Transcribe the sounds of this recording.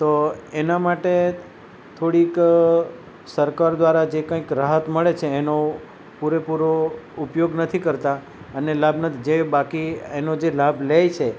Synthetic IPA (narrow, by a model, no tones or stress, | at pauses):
t̪oenamaʈe | t̪ʰoɽik | səɾkaɾd̪ʋaɾad͡ʒekãĩkɾaɦət̪məɭet͡ʃʰeːno | puɾepuɾoʊpjoɡnət̪ʰikəɾt̪a | ənelabnət̪ʰid͡ʒebakienod͡ʒelablejt͡ʃʰe